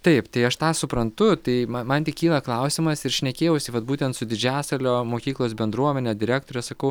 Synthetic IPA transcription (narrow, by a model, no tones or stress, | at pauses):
t̪ɐɪpt̪ɐɪɐʃt̪ɑːsʊpɾɐnt̪ʊt̪ɐɪmɐmɐnt̪ʲɪkʲiːlˠɐklˠɐʊsʲɪmɐsɪɾʃʲnʲɛkʲeːjɛʊsʲɪʋɐt̪buːt̪ʲɛnt̪sʊd̪ʲɪd͡ʒʲæːsɐlʲoːmoːkʲiːklˠoːs̬bʲɛnd̪ɾuɔmʲɛnʲed̪ʲɪɾʲæːkt̪oːɾʲɛsɐkɐʊ